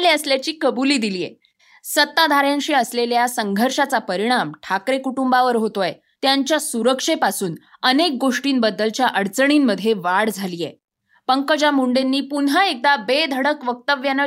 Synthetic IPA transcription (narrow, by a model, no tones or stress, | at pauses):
leəsljat͡ɕiːkəbuliːd̪iliːjḛ | sət̪ːad̪ʱaɾjãŋɕiːəsleljasəŋɡʱəɾʂat͡sapəɾiɽ̃amʈʰakɾekuʈumbaʋəɾɦot̪oje | t̪jaɲt͡ɕjasuɾəkʂepasuːnənek̚ɡoʂʈiːnbəd̪ːəlt͡ɕjaʔəɽt͡səɳiːnːəd̪ʱjeʋaɽd͡zʱaliːjḛ | pəŋkəd͡ʑamuɳɖenːiːpunɦaek̚d̪abed̪ʱəɽəkʋək̚t̪əʋjanə